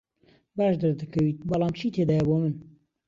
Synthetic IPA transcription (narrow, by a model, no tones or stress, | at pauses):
baːʃd̪ɨɾd̪ɨkʰɐwiːt̪̚bɐlˠɑːmt͡ʃʰiːt̪ʰeːd̪aːjɛbomɨn